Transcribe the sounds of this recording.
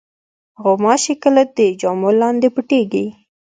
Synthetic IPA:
ɣomɑʃekəlad̪əd͡ʒɑmolɑnd̪epəʈeɡi

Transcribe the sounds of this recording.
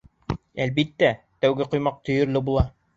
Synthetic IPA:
ælbit̪ːæ | t̪æwɡɘqŭjmɑq̚t̪ʰɵ̆jɵ̆ɾlɘbulˠɑ

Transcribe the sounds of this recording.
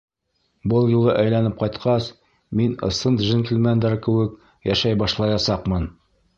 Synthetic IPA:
bɤlˠjulˠɤʔæjlænɘp̚qɑjt̪qʰɑs | minɤ̰̆sɤnt̪ʒɘnt̪ʲɘ̆lmænd̪æɾkɘ̆wɘk | jæʃæjbɑʃlˠɑjɑsɑqmɤn

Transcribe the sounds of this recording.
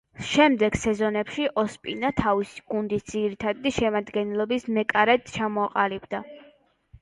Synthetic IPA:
ʃɛmd̪ɛɡ̥sɛzɔnɛpʃiʔɔspʼinat̪ʰavisi̥ɡund̪it̪̚ʰd̪ziɾit̪ʰad̪d̪iʃɛmad̪ɡɛnɛlˠɔbismɛkʼaɾɛd̪t͡ʃʰamɔaqʼalibd̪a

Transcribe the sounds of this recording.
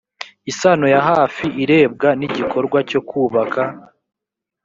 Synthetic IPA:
isanojaɦaːfiʔiɾe̞ːb̚ɡaniɟikʰo̞ɾɡwaco̞kuːβaka

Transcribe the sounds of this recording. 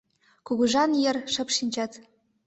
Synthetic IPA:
kuɣuʒɑnjɘ̆rʃɤ̆pʃinʲt͡ɕɑt̪

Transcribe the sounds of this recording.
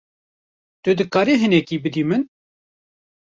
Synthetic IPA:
t̪ʊd̪ɨkaːɾiɦɨnɛkiːbɨd̪iːmɨn

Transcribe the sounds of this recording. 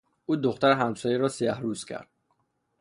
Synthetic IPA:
ʔuːd̪oxt̪æɾeɦæmsɒːjeɾɒːsijæhɾuːzcʰæ̰ɾd̪̥

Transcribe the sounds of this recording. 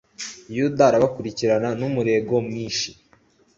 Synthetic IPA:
judaːɾaβakuɾiciɾananumuɾe̞ɡo̞mŋiːnʃi̥

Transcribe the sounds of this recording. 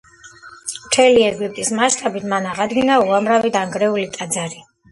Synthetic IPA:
mt̪ʰɛliɛɡip̚ʼt̪ʼismaʃt̪ʼabit̪ʰmanaʁad̪ɡinauamɾavid̪aŋɡɾɛulit̪ʼad̪zaɾi

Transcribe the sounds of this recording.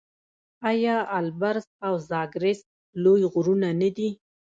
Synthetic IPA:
ajɑalbaɾzawzɑɡɾes | lojɣʊɾunanad̪i

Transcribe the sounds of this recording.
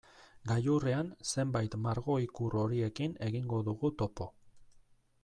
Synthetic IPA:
ɡajureanse̞mbajt̪maɾɣo̞ikuro̞ɾie̞kine̞ɣiŋɡo̞ðuɣut̪o̞po̞

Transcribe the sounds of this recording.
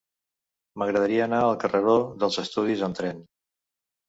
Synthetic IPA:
məɣɾəðəɾiəːnaəlˠkərʔəðoðəlˠzəst̪uð̞izənt̪ɾɛn

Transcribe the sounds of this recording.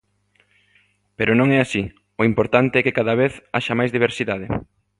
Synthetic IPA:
peɾʊnõŋɛasi | oimpoɾt̪ant̪eɛkekaðaβeθa̰ʃɐmajzðiβeɾsiðað̞e

